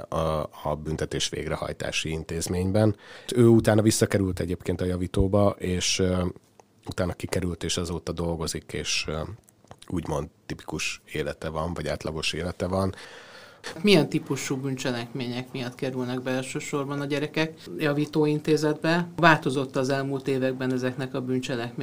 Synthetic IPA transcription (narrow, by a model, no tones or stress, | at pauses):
ɒbynt̪ɛt̪eːʃʋḛːɡrɛhɒ̰jt̪a̰ːʃiint̪eːzmeːɲbɛnøːut̪aːnːɒvisːɒkɛɾylt̪ɛɟeːpkeːnt̪ɒjɒviːt̪oːbɒʔeːʃ | ut̪aːnːɒkikɛɾylt̪eːʃɛzoːt̪ɒd̪o̞lɡo̞zikeːʃ | uːɟmo̞nd̪t̪ipi̥kuʃeːlɛt̪ɛvɒɱvɒɟaːt̪lɒɡo̞ʃeːlɛt̪ɛvɒn | k̪mijɛnt̪ipuʃubynt͡ʃɛlɛkmeːɲɛkmijɒt̪kɛɾylnɛɡbɛlʃøːʃo̞rbɒnɒɟɛɾɛkɛkjɒviːt̪oːint̪eːzɛd̪bɛvaːlt̪o̞zo̞t̪ːɒːzɛlmuːlt̪eːvɛɡ̚bɛnɛzɛknɛkɒbynt͡ʃɛlɛkme